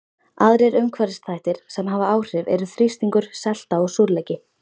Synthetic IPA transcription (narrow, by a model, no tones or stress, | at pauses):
aðɾɛɾœɥmkʰvaɾɪst̪θajht̪ɪɾ̥sɛmɦaːvaaːwr̥ɪvɛ̰ɾʏθɾist̪iŋkʏɾ̥sɛl̥t̪aɔɣsuɾlɛjcɪ